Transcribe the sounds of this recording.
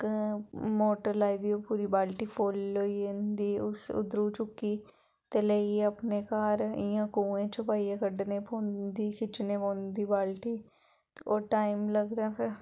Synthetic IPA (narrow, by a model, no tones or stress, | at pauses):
moːʈəɾlaːiːd̪iːoːpuːɾiːbaːlʈiːpʰoːloːind̪iːʊsʊ̰d̪ɾoːt͡ʃʊkːiː | t̪eːleieəpneːkaːɾɪjãːkuːẽːt͡ʃʊpaːiːẽːkəɖneːpõːnd̪iːkʰɪt͡ʃneːpõːnd̪iːbaːlʈiː | oːʈaːɪmləɡd̪aːpʰɪɾ